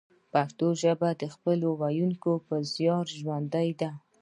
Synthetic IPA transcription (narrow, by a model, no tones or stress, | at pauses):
pakt̪oʒəbad̪əxpəlowajuŋkopəzjɑɾʒwand̪ajd̪a